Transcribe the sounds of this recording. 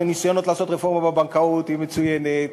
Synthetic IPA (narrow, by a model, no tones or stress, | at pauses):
nisajono̞t̪laːso̞t̪ʁefo̞ʁmabebaŋkaut̪himet͡sujenet̪̚